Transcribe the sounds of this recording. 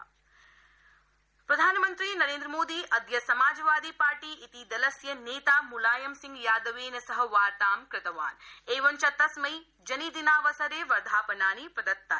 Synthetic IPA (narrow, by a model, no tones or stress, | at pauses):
pɾɐd̪ʱaːnɐmɐnt̪ɾiːnɐɾẽːnd̪ɾɐmoːd̪iːʔɐd̪jɐsɐmaːd͡ʒɐʋaːd̪iːpaːɾʈiːʔit̪id̪ɐlɐsjɐneːt̪aːmulaːjɐmsiŋɡjaːd̪ɐʋeːnɐsɐɦɐʋaːɾt̪aːmkɾɪt̪ɐʋa̰ːneːʋɐnt͡ʃɐt̪ɐsmɐj | d͡ʒɐnid̪inaːʋɐsɐɾeːʋɐɾd̪ʱaːpɐnaːnipɾɐd̪ɐt̪ːa̰ː